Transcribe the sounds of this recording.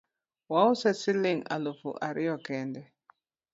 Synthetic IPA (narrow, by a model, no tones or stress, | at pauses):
wausɛsiliŋa̰lufṵʔaɾʔiɔkɛndɛ